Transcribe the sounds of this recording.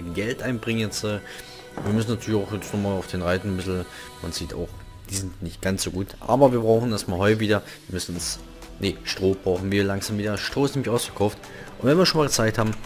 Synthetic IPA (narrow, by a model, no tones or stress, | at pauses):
ɡɛltʔaɪnbʁɪŋənjɛt͡stɛː | viːɐmʏs̬n̩natʰyɐlɪçaʊxjɛt͡snɔχmaːlaʊfd̥eːnʁaɪtn̩bɪzl̩ | manziːta̰ʊx | d̥iːzɪntnɪçt̚ɡ̥ant͡sz̥oːɡuːtʔa̰ːbɐviːɐbʁaʊxn̩dasmaːlɦɔʏtəviːdɐ | viːɐmʏsn̩ʊns | neʃtʁ̥oːbʁaʊxn̩viːɐlaŋz̥aːmviːdɐdasʃtʁ̥oːɪsnɛːmɪçʔaʊsfɐkʰaʊft | ʔʊntvɛnviːɐʃoːnmaːlɡət͡saɪk̚thaːbm̩